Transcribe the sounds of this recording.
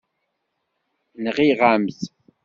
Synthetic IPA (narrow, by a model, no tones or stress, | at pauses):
nəʁiʁamθ